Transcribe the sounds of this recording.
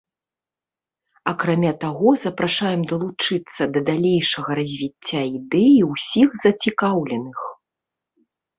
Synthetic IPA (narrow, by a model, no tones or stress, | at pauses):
ɐkɾamʲat̪aɣɔzɐpɾaʂajɛmd̪ɐlˠut͡ʂɨt̪sːɐd̪ɐd̪alʲejʂɐɣɐɾɐzʲvʲit͡sʲːaid̪ɛjiwsʲixzɐt͡sʲikawlʲɛnɨx